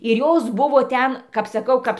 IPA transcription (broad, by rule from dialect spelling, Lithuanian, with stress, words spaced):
ɪr ˈjoːs ˈbʊʋoː ˈtʲɛn kɐp sɐˈkɐʊ ˈkɐps